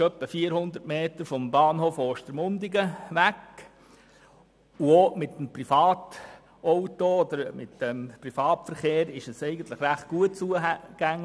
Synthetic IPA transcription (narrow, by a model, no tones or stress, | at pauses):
œpːəfiːəɾhʊnd̪əɾtmeːt̪əɾfɔmbɑːnhoːfoːʃtəɾmʊnd̪ɪɡəʋæk | uomɪt̪ːmprifɑːt | ʔoʊtood̪əɾmɪtdɛmprifɑːtfəɾχeːɾɪʃəsɛɪɡən̩t̪ləχɾæχt̚ɡ̥uət̚t͡suəɡ̥æŋl